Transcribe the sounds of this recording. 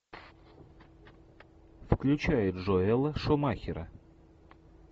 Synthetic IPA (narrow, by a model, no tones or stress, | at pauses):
fklʲʉt͡ɕæjɪt̪ʐoɛlˠəʂomaxʲɪɾə̰